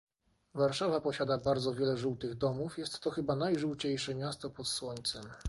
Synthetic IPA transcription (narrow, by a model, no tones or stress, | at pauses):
vaɾʂavapɔɕad̪abaɾd̪zɔvʲjɛlɛʐuwt̪ɘɣd̪ɔmufjɛst̪ːɔxɘbanajʐuwt͡ɕejʂɛmʲjast̪ɔpɔt̪swɔɲt̪sɛm